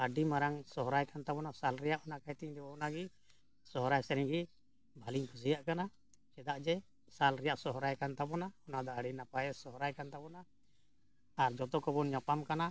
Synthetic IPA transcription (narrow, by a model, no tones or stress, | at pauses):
aɖimaɾaŋsɔɦɔɾajkant̪abɔnasalɾɛjaʔɔnakajt̪iɲd̪ɛbɔɔnaɡi | sɔɦɔɾajsɛɾɛɲɡi | bʱaliɲpʰusijaʔkana | t͡ʃɛd̪aʔd͡ʒɛ | salɾɛjaʔsɔɦɾajkant̪abɔnaɔnad̪ɔaɖinapajɛsɔɦɔɾajkant̪abɔna | ɾd͡ʒɔt̪ɔkɔbɔnɲapamkana